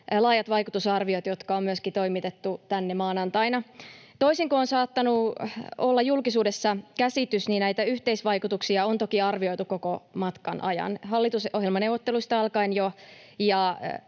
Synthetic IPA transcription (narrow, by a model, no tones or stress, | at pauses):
lɑːjɑt̪ʋɑjkut̪usɑrʋiot̪jot̪kɑommyøskit̪o̞imit̪et̪ːut̪ænːemɑːnɑnt̪ɑinɑt̪oisiŋkoonsɑːt̪ːɑnuolːɑjulkisuːdesːɑkæsit̪ysniːnæit̪æyht̪eisʋɑikut̪uksiɑont̪okiɑrʋio̞it̪ukokomɑt̪kɑnʔɑ̰jɑ̰nɦɑlːit̪usʔoɦjelmɑneuʋot̪ːeluist̪ɑɑlkɑinjojɑ